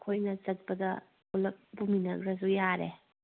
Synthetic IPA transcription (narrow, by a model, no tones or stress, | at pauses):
kʰojnɐzɐt̚b̥ɐdɐ | ulɐk̚buminɐɡɾɐzujaɾe